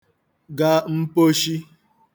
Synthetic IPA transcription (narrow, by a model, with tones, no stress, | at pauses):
ɡa˦m̩˦po˦ʃi˦